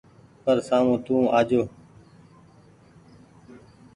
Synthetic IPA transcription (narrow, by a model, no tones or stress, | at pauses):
pəɾsaːmũːt̪ũːaːd͡ʒoː